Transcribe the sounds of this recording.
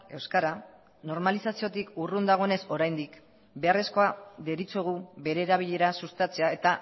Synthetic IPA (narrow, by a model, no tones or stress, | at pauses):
e̞wskaɾa | no̞ɾmalisasio̞t̪ikurund̪aɣ̞o̞ene̞so̞ɾajnd̪ik | be̞are̞sko̞aðe̞ɾit͡sueɣ̞uβe̞ɾe̞ːɾaβ̞iʎe̞ɾasust̪at͡se̞ae̞t̪a